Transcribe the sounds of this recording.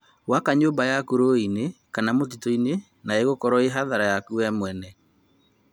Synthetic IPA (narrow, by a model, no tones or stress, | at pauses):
wakaɲoːmbajakuɾoinekanamot̬itɔine | naeɣokɔɾɔeɦaðaɾajakuɛmwɛnɛ